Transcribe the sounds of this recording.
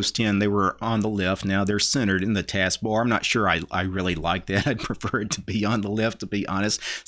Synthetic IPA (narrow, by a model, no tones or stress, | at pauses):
ʊstʰɛ̃nðeɪwə˞ə̃nðəlɛftⁿnaʊðə˞sɛ̃ɾ̃ə˞ɾɨ̃nðɨtʰæsk̚b̥ɔɹãɪ̃mnə̰tʃʊɹaɪʔa̰ɪɹɪlˠilaɪk̚ðɨɾaɪd̚pʰɹ̥ɨfɜ˞d̚tʰɨbiə̃nðəlɛftʰəbiʔɑñɨst